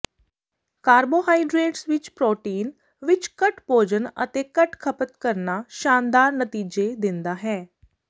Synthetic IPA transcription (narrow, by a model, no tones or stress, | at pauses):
kaːɾboːɦaːiɖɾeːʈsʋɪt͡ʃpɾoːʈiːn | ʋɪt͡ʃkəʈpoːd͡ʒənə̰t̪eːkəʈkʰəpət̪kəɾnaːʃaːnd̪aːɾnət̪iːd͡ʒeːd̪ɪnd̪aːɦɛː